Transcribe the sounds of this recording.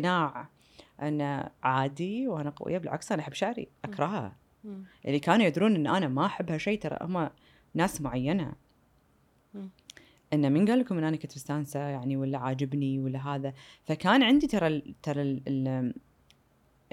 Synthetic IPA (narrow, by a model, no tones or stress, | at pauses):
naːʕ | ʔanːaʕaːd̪iwʔanaqa̰wɪ̰jːabɪlʕa̰ksʔanaʔħɪbːʃaʕɾḭʔakɾˤɑɦa̰ | ʔɪ̰lːikaːnujad̪ɾuːnʔɪnːʔanamaʔaħɪbːhaʃejːt̪ɑɾˤɑ̰ʔhʊa | naːsmʊʕajːana̰ | ʔɪnːaminɡaːlːkʊmʔɪnʔanakat̪bɪst̪aːnsajaʕniwɪlːaʕaːd͡ʒɪbniwɪlːaɦaːðafakaːnʕɪnd̪it̪ɑɾˤɑlt̪ɑɾˤɑl